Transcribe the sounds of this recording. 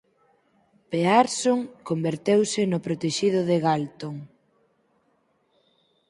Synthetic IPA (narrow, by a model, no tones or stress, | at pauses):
peaɾsoŋkombeɾt̪ewsɪnʊpɾot̪eʃiðʊðeɣalt̪oŋ